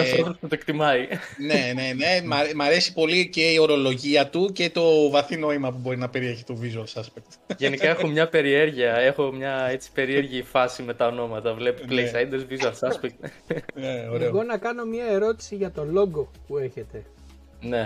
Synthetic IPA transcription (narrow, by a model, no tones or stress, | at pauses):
ɐsoðɾoscet̪oekt̪imɐine̞ne̞nemɐɾmɐɾe̞si̥po̞lice̞io̞ɾo̞lo̞ʝiɐt̪uce̞t̪o̞vɐθino̞imɐpubo̞ɾinɐpe̞ɾie̞çi̥t̪ovizoɐsɐspek̚t̪ʝenikɐexo̞mɲɐpe̞ɾieɾʝiɐe̞xo̞mɲɐe̞t͡si̥pe̞ɾie̞ɾʝifɐsime̞t̪ɐono̞mɐt̪ɐvle̞poplejsɐjnd̪ezvizoɐsɐspek | neoɾeoɣo̞nɐkɐno̞miɐe̞ɾo̞t̪i̥siʝɐt̪o̞lo̞ɡopueçe̞t̪e̞ | ne̞